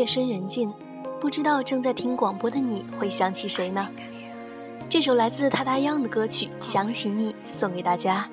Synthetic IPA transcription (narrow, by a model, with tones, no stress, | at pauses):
ɛ˥˩ʂə˥nɻə˧˥nt͡ɕi˥˩n | pu˥˩ʈ͡ʂɻ̩˥t̪ɑ˥˧ʊʈ͡ʂɤ˥˧ŋt͡sa˥˩ɪt̪ʰi˥ŋkwɑ˨˩ŋpwɔ˥d̪ə˨ni˨˩˦xwe˥˩ɪɕjɑ˧˥ŋt͡ɕʰi˧˥ʂe˧˥ɪnə˧ | ʈ͡ʂɤ˥˩ʂ̬o˧˥ʊla˧˥ɪt͡sɹ̩˥˧t̪ʰa˥t̪a˥jɑ˥˩ŋd̪ə˩kɤ˥t͡ɕʰy˨˩˦ɕjɑ˧˥ŋt͡ɕʰi˧˥ni˨˩ | sʊ˧˩ŋke˧˥ɪt̪a˥˩t͡ɕja˥